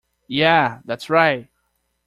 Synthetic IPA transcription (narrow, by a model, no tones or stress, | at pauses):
jæðætsɹaɪt̚